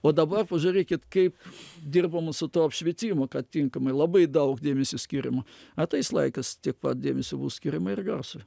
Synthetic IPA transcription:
oːd̪ɐbɐrpɐʒʊɾʲeːkʲɪt̪kɐɪpd̪ʲɪrbɐmɐsʊt̪oːɐpʲʃʲʋʲɛt̪ʲiːmokɐtt̪ʲɪŋkɐmɐɪlˠɐbɐɪd̪ɐʊkd̪ʲeːmʲɛsʲʊsʲkʲiːɾʲɪmɐɐt̪ɐɪslˠɐ̰ɪkɐst̪ʲiɛk̚pɐt̪̚d̪ʲeːmʲesʲʊbuːsʲkʲiɾʲɪmɐɪrɡɐrsʊj

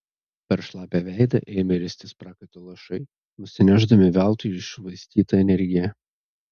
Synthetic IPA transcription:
pʲɛɾʃlˠɑːpʲæʋʲæɪd̪ɐ̰ʔeːmʲɐɾʲɪsʲt̪ʲɪspɾɑːkɐɪt̪ʲoːlˠɐʃɐɪ | nʊsʲɪnʲæːʒd̪ɐmʲɪʋʲæˑlˠt̪ʊɪʃʲʊʋɐɪsʲt̪ʲiːt̪ɐɛnʲɛɾʲɡʲɪjɛ

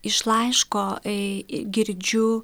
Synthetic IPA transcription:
ɪʃlˠɐɪʃkoː | ɡʲɪɾʲd͡ʒʲʊ

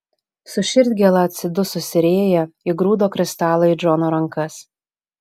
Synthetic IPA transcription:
sʊʃʲɪɾʲd̪ʲɡʲɛlˠɐɐt̪ʲsʲɪd̪ʊsʊsʲɪɾʲeːjɛiɡɾuːd̪oːkɾʲɪst̪ɑːlˠɐɪd͡ʒɔnoːɾɐŋkɐs

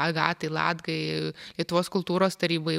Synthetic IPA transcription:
ɐɡɑ̰ːt̪ɐɪlˠɑ̰ːd̪ɡɐɪlʲiɛt̪ʊʋoːskʊlˠt̪uːɾoːst̪ɐɾʲiːbɐɪ

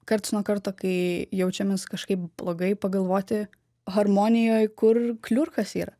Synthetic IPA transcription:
kɐrt̪ɐɪsnuɔkɐɾt̪oːkɐɪjɛʊt͡ʃʲɛmʲeːskɐʃkɐɪp̚b̥lˠoːɡɐɪpɐɡɐlˠʋoːt̪ʲɪ | ɣɐɾmoːnʲɪjoːjkʊrklʲʊrxɐsiːɾɐ

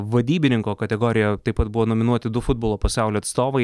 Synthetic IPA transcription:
ʋɐd̪ʲiːbʲɪnʲɪŋkoːkɐt̪ʲɛɡoːɾʲɪjɛt̪ɐɪpɐt̪̚bʊʋoːnoːmʲɪnuɔt̪ʲɪd̪ʊfʊd̪boːlˠoːpɐsɑˑʊlʲoːɐt̪st̪oːʋɐɪ

